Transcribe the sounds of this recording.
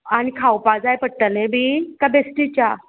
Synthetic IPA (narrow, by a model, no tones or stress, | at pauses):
aɽ̃ikʰawpad͡zajpəʈːəlẽbʱiːkabesʈit͡ɕa